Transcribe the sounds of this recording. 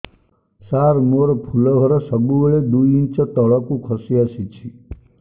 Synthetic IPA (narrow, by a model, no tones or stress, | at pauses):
saɾmoɾɔpʰulɔɦɔɾɔsɔbubeɭed̪uiint͡ʃɔt̪ɔɭɔkũkʰɔsiasit͡ʃʰi